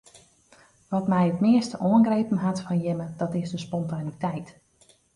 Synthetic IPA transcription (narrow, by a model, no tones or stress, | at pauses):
ʋɔtmɛjətmɪəstəʔoənɡrejpən̩ɦatfɔnjɪmədɔtɪsdəspɔntanitɛjt